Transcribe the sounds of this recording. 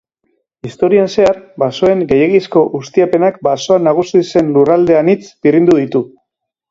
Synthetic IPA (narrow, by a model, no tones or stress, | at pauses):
ist̪o̞ɾianse̞aɾbaso̞e̞ŋɡe̞jeɣisko̞ʔust̪iape̞nakbaso̞anaɣ̞usise̞nlurald̪e̞anit͡sbirind̪uð̞it̪u